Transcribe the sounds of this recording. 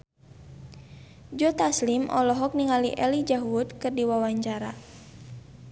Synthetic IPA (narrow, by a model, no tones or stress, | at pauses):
d͡ʒɔt̪aslimʔɔ̰lɔɦɔk̚niŋalḭʔɛlid͡ʒaɦwut̪̚kɨrdiwawaɲt͡ʃaɾa